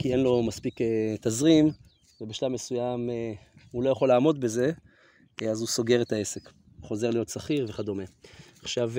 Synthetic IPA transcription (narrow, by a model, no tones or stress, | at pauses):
kie̞nlo̞maspiket̪azʁim | vebeʃlavmesujameulo̞jaχo̞laːmo̞dbe̞ze̞ | azuso̞ɡe̞ʁe̞t̪ae̞se̞k | χo̞ze̞ʁlijo̞t̪saχiʁveχado̞me̞aχʃav